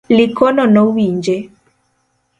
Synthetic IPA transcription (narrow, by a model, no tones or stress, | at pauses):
likɔnɔnɔwiɲd͡ʒe